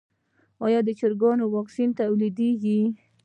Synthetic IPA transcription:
ɑjɑd̪ət͡ʃəɾɡɑnowɑksint̪awlid̪eɡi

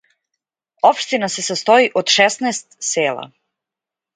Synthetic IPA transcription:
opʃt̪inasesast̪oiʔod̪ʃɛsnɛːst̪seːlˠa̰

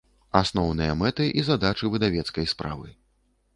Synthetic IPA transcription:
asnɔwnɨjɐmɛt̪ɨʔizad̪at͡ʂɨvɨd̪avʲɛt̪skɐjspɾa̰vɨ̰

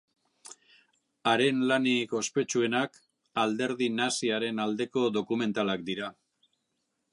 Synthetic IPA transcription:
aɾe̞nlaniko̞spe̞t͡ʃue̞nak | ald̪e̞ɾðinasiaɾe̞nald̪e̞ko̞ðo̞kume̞nt̪alakd̪iɾa

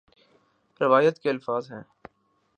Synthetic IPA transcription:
ɾɪʋaːjət̪keɐlfaːzɦɛ̃ː

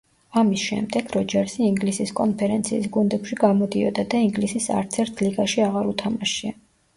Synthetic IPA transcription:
amisʃɛ̰md̪ɛɡ̥ɾɔd͡ʒɛɾsiiŋɡlisiskʼɔnpʰɛɾɛnt̪sʰiːsɡund̪ɛpʃiɡamɔd̪iɔ̰d̪ad̪aiŋɡlisisa̰ɾt̪sʰɛɾt̪ʰliɡaʃiaʁaɾut̪ʰamaʃia

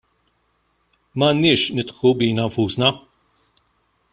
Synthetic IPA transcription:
mɐːnːɪːʃnɪt̪ħubiːnɐɱfuːsnɐ

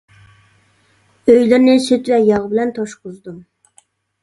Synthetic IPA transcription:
øjlɪɾnɪsøt̪vɛjɑʁbɪlɛnt̪ʰoʃqʊzd̪um

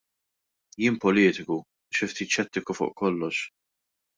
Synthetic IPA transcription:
jɪːmpɔlɪːt̪ɪku | ʃɪft̪iːt̪ʃɛt̪ːɪkufʊ̰ːʔkɔlːɔʃ

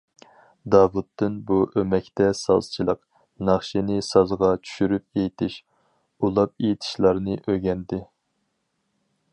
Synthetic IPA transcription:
d̪ɑːvut̪ːɨnbuʔømɛkʲt̪ɛsɑ̰lˠst͡ʃʰilˠəq | nɑχʃinɪsɑzʁɑt͡ʃʰy̥ʃyɾyp̚ejt̪ʰɪʃ | ulˠɑp̚ejit̪ʰɪ̥ʃlˠɑɾnɨʔøɡʲɛnd̪ɪ

